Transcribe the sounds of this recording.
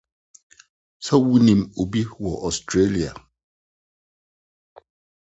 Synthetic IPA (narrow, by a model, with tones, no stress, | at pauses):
sa˦wi˦ni˨mo˨bi˦wɔ˨ʔɔ˨stɾe˦li˨a̰˨